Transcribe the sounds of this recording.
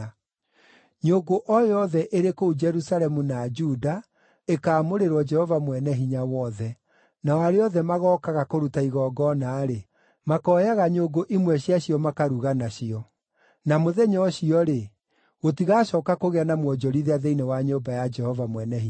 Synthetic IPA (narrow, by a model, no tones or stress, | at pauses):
ɲoɡoʔɔjɔðɛʔeɾekoud͡ʒɛɾusalɛmunad͡ʒuda | ekaːmoɾeɾwɔd͡ʒɛhɔvamwɛnɛɦiɲawɔðɛ | nawaɾeɔðɛmaɣɔːkaɣakoɾutaiɣɔːɡɔnaːɾe | makɔːjaɣaɲoɡoʔimwɛɕjaɕiɔmakaɾuɣanaɕiɔ | namoðɛɲɔːɕiɔɾe | ɣotiɣaɕɔːkakoɣeanamwɔd͡ʒɔɾiðeaðeinewaɲoːmbajad͡ʒɛhɔvamwɛnɛɦi